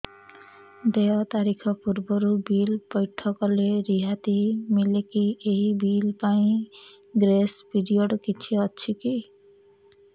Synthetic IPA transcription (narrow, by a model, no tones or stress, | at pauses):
d̪eɔt̪aɾikʰɔpuɾbɔɾubilpɔjʈʰɔkɔleɾiɦat̪imilekieɦibilpaĩ | ɡɾespiɾioɖkit͡ʃʰiɔt͡ʃʰiki